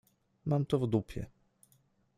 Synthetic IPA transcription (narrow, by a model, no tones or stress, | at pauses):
mamt̪ɔvd̪upʲjɛ̰